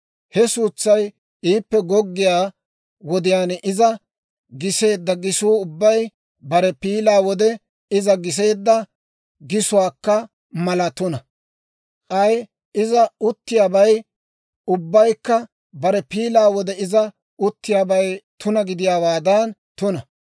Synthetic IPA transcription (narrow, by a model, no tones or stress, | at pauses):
hɛsuːt͡sːɐj | iːpːɛɡɔɡːɪjaː | wɔd̪ɪjaːnʔɪzɐ | ɡɪse̞ːd̪ːɐɡɪsuːʊbːɐj | bɐɾɛpiːlaːwɔd̪ɛ | ɪzɐɡɪs̬e̞ːd̪ːɐ | ɡɪsʊwaːkːɐ | mɐlɐt̪ʊnɐ | ʔʼɐj | ɪzɐʊt̪ːɪjaːbɐj | ʊbːɐjkːɐ | bɐɾɛpiːlaːwɔd̪ɛɪzɐ | ʊt̪ːɪjaːbɐjt̪ʊnɐɡɪd̪ɪjaːwaːd̪ɐnt̪ʊnɐ